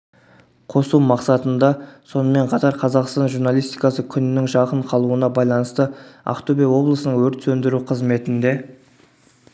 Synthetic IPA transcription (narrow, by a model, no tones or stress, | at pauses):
qʰo̞sumɑqsɑt̪ənd̪ɑso̞nəme̞ɴqʰɑt̪ɑɾqʰɑzɑqst̪ɑnʒuɾnɑlˠijst̪ijkɑsəkʲʰʏnɪnɪŋʒɑqəɴqʰɑlˠuənɑbɑjlˠɑnəst̪əa̰kt̪obijɑwo̞blˠəsənəɴwɵɾt̪sɵnd̪ɪɾuqʰəzme̞t̪ɪnd̪e̞